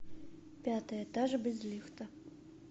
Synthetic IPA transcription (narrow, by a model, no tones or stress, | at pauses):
pʲat̪ɐjɐɛt̪aʐɐbʲɛzʲlʲixt̪ɐ